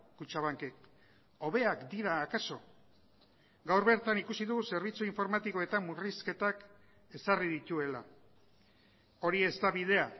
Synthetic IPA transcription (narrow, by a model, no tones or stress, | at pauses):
kut͡ʃaβaŋkek | o̞βe̞akd̪iɾaːkaso̞ | ɡawɾβe̞ɾt̪anikusiðuɣuse̞ɾβ̞it͡suiɱfo̞ɾmat̪iko̞e̞t̪ammːuriske̞t̪ak | e̞sariðit̪ue̞la | o̞ɾie̞zt̪aβið̞e̞a